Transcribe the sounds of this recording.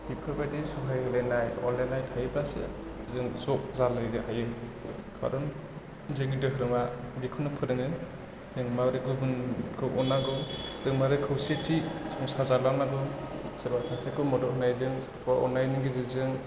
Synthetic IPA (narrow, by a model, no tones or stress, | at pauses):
bipʰɯbadisuɦajlenajɔ̰lenajthajɯbasɯ̰ | zɯŋzɔʔzalɯjɡɯhajɯkʰa̰ɾɔn | zɯŋɡidɯɦɯɾɯmabikʰunɯpʰɯɾɯŋɯn | zɯŋmawɾekzɯbɯnkʰɯwʔɔnaɡɔz̥ɯŋmawɾekʰɯwsietʰisɔŋsazalanaɡɯzɯɾbasʰasekʰɯmɔdɔhnajzɯŋspʰaʔɔ̰najniɡezɯzɯŋ